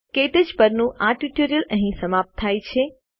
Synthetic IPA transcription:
keʈəd͡ʒpəɾnũʔaʈuʈoɾijələɦĩsəmap̚t̪ʰːajt͡ʃʰe

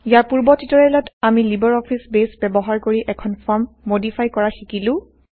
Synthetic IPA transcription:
ijaɹpuɹbɔtitɔɹɛlɔtamilibɔɹɔpʰisbesbɛbɔɦaɹkoɹiʔɛkʰɔnpʰɔɹmːodipʰajkɔɹaxikilʊ̃

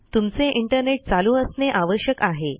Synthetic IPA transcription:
t̪umt͡seʔiɳʈəɾneʈ̚t͡saluːəsneʔaʋəɕjəkaɦe

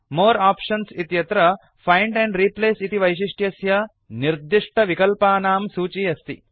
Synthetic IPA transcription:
moːɾaːpʂɐnsit̪jɐt̪ɾɐ | pʰɐjɳɖɛɳɖɾiːpleːsit̪iʋɐjʃ̬iʂʈjɐsjɐ | niɾd̪iʂʈʰɐʋikɐlpaːnaːmsuːt͡ʃijɐst̪ḭ

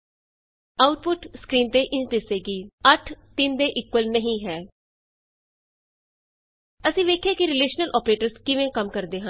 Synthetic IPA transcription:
aːʊʈ̚pʊʈskɾiːnt̪eːʔɪ̃d̪ɪseːɡiːəʈʰt̪ɪnd̪eːʔɪkwəlnəɦĩːɦɛː | əsĩːʋeːkʰjaːkɪɾɪleːʃnəlʔɔːpɾeːʈəɾskɪʋẽːkəmkəɾd̪eːɦãː

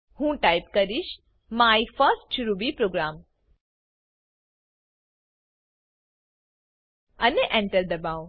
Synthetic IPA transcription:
hũːʈaːjpkɐɾiʃ | maːifəsʈʃuɾubipɾoːɡɾaːm | ɐneʔɛ̃ɳʈəɾd̪ɐbaːo

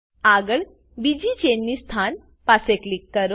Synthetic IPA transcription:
aɡəɭ | bid͡ʒit͡ʃenːist̪ʰan | paseklikːəɾo

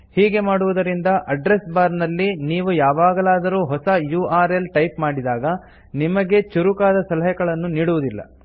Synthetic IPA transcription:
hiːɡe̞maːɽuʋud̪ɐɾind̪ɐʔɐɖɾe̞sbaːɾnɐlːiniːʋujaːʋaːɡɐlaːd̪ɐɾuːɦɔsɐjuːaːɾelʈɐjpmaːɽid̪aːɡɐ | nimɐɡe̞t͡ʃuɾukaːd̪ɐsɐlɐɦɛɡɐɭɐnːuniːɽuʋud̪ilːɐ̰

